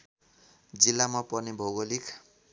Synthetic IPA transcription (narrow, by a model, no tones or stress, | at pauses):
d͡zilːamapʌrnibʱʌɡolikʰ